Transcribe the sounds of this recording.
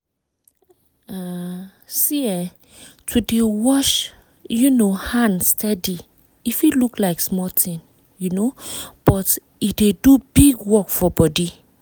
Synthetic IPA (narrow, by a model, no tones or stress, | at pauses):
a | siɛ | tʰudewɔʃ | junohãndstʰɛdi | ifiluklaɪksmɔtʰĩn | junob̥ɔt | idedubiɡwɔkfɔbɔdi